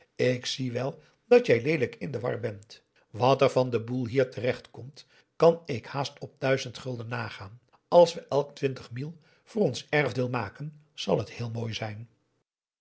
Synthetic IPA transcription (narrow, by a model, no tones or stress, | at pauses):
ɪksiʋɛlˠ | d̥ɑtjɛjlejdələkɪ̰ndəʋɑ̰ɹbɛnt | ʋɑtɛɹvɑndəbulˠɦiːɹtərɛχtkɔmt | kɑnɪkhaːstɔp̚d̥œɥzəntχɵlˠdənːaːχaːn | ɑlˠsʋəʔɛlˠktʋɪntəχmilˠ | v̥ʊːrɔnsɛɹvdɪːlˠmaːkən | z̥ɑ̰lˠɦəthɪːlˠmoːjzɛjn